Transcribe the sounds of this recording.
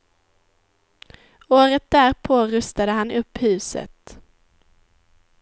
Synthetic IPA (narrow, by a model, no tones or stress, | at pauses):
oːɾət̪̚d̪æːɾpʰoːɾɵst̪ad̪əɦanɵpːhʉ̟ːsə̰t̪